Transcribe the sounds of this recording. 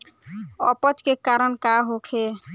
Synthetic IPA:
ɔpət͡ʃkekaɾəɳkaɦokʰe

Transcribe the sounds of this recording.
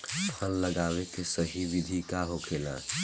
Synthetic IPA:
pʰənlɐɡaːwekesɐɦiʋɪd̪ʱikaɦokʰeːlã̰ː

